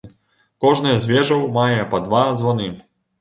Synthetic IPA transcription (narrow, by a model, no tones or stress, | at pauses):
kɔʐnɐjɐzʲvʲɛʐɐwmajɛpɐd̪vazvɔnɨ